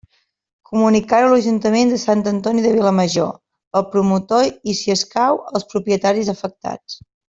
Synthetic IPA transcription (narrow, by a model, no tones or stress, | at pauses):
kumunikaɾuləʒunt̪əmend̪əsant̪ənt̪ɔniðəβ̞iləməʒo̰ | əlˠpɾumut̪oisiəskawəlˠspɾupiət̪aɾizəfək̚t̪a̰t͡s